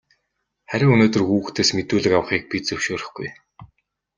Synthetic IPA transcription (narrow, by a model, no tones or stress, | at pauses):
χæɾʲɪ̆ŋɵnoːt̪ɵ̆rxuːxt̪ʰeːsmet̪uːɮɘ̆kawə̆χiːk̚pit͡sɵw̥ʃoːɾə̆χɡ̥uj